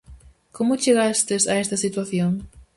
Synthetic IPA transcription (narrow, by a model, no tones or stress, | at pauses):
komʊt͡ʃeɣast̪esaest̪ɐsit̪waθjoŋ